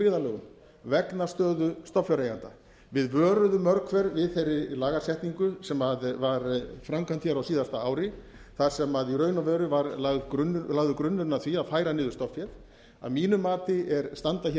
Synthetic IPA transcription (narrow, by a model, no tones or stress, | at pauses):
ɪːðalœːɣʏm | vɛknast̪œːðʏst̪ɔfjɛɾeːjant̪a̰ | vɪðvœːɾʏðʏmœɾkʰvɛɾvɪðθejrːɪlaːɣasjɛht̪niŋkʏsɛmaðvaɾfɾamkant̪çɛɾawsiːðast̪aaːwɾɪ | θaɾ̥sɛmaðiɾœːɥnavœːɾʏvaɾlaðkʏnlaːɣðʏkɾʏnːʏɾnaθviaðfaːjɾanɪːðʏst̪ɔfjɛɾ | a̰miːnʏmaːt̪ɪɛɾst̪ant̪açɛ